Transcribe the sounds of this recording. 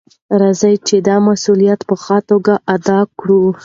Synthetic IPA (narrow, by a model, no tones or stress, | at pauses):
ɾɑzajt͡ʃed̪ɑmasulijat̪pəxɑt̪oɡaʔad̪ɑkɽu